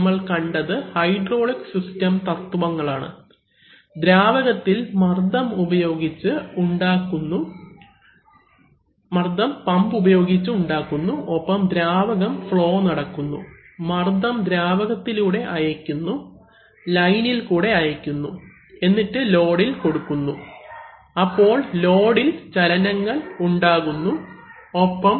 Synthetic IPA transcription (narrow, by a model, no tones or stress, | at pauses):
mːɐɭkɐɳɖɐðɨhɐjɖro̞ːɭiksistɐmt̪ɐt̪ːuʋɐŋːɐɭaːɳɨ̰ | d̪ɾaːʋɐɣɐt̪ːilmɐrd̪ɐmubɐjo̞ːɡit͡ɕːɨuɳɖaːkːunːu | mɐrd̪ɐmpɐmbubɐjo̞ːɡit͡ɕːɨuɳɖaːkːunːuopːɐmd̪ɾaːʋɐɣɐmfɭo̞ːnɐɽɐkːunːṵ | mɐrd̪ɐmd̪ɾaːʋɐɣɐt̪ːiluːɽe̞ʔɐjɐkʲːunːu | lɐjnilkuːɽe̞ɐjɐkʲːunːu | e̞nːiʈːɨlo̞ːɽilko̞ɽukːunːu | ɐpːo̞ːɭlo̞ːɽilt͡ɕɐlɐnɐŋːɐɭuɳɖaːɣunːu | opːɐm